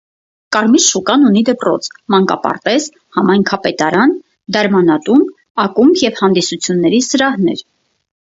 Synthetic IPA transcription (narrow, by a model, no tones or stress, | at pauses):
kɑɾmit͡sʃukɑnunid̪əpɾɔ̰t͡sʰmɑŋkɑ̰pɑ̰ɾt̪ɛz | hɑmɑjŋkʰɑpɛt̪ɑɾɑn | d̪ɛɾmɑnɑt̪un | ɑkumjɛvhɑnd̪isut͡sʰjunːɛɾisəɾɑhnɛ̰ɾ